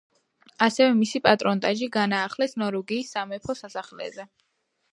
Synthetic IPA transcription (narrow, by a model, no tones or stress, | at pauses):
asɛvɛmisipʼat̪ʼɾɔnt̪ʼaʒiɡanaːχlɛsnɔɾuɡiːsːamɛpʰɔsasaχlɛ̰zɛ